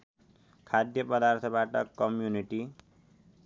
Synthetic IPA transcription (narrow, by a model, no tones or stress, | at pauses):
kʰad̪jʌpʌd̪art̪ʰʌbaʈʌkʌmjuniʈi